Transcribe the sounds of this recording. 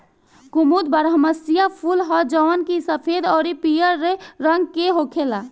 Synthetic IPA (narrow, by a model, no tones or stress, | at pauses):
kumud̪̚bəɾɦəməsijapʰulɦɔd͡ʒɔːnkisəpʰed̪ɔːɾipijəɾːeɾəŋɡ̚keɦokʰela